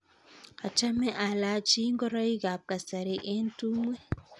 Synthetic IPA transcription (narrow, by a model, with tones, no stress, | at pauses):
a˨t͡ʃa˦mɛ˦ʔa˨la˨˦t͡ʃi˦ŋɡɔ˦ɾɔ˦i˦ɡa˨p̚ka˨sa˨ɾe˨ʔe˦ntu˦mwe˦